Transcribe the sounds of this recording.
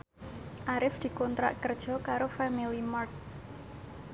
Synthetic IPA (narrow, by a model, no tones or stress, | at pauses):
ʔaɾɪfd̪̥i̤kɔnt̪ɾa̰ʔkərd̥ʒ̥ɔ̤kaɾofamilimɔrt̪̚